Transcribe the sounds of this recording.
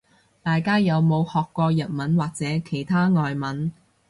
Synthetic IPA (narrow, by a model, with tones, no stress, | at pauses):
t̪aː˨jkaː˥jɐ˨˧wmo˨˧whɔː˨kːʷɔː˧jɐ˨t̚mɐ˨˥nwaː˨k̚t͡sɛː˨˥kʰe˨˩jt̪ʰaː˥ŋɔː˨jmɐ˨˥n